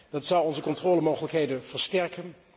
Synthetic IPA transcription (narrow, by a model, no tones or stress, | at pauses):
d̥ɑtsɑwɔnzəkɔntrɔːləmowχələkɦejdənv̥əɹstɛɹkən